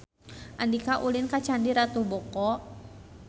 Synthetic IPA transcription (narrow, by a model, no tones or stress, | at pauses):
ʔandikaʔulinkat͡ʃandiɾat̪ubɔkɔ